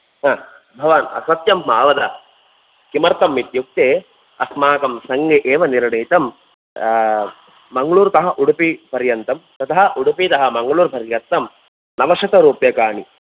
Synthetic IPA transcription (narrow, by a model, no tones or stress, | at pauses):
ɦãː | bʱɐʋaːnɐ̰sɐt̪jɐmːaːʋɐd̪ɐ | kimɐɾt̪ɐmːit̪juk̚t̪eː | ɐsmaːkɐmsɐŋɡeʔeːʋɐniɾɳeːt̪ɐm | mɐŋɡɐɭuːɾt̪ɐɦɐ̆ʔuɽupipɐɾjɐnt̪ɐmt̪ɐt̪ɐɦɐ̆ʔuɽupit̪ɐɦɐ̆mɐŋɡɐɭuːɾpɐɾjɐt̪ːɐm | nɐʋɐʂɐt̪ɐɾuːpjɐkaːɳi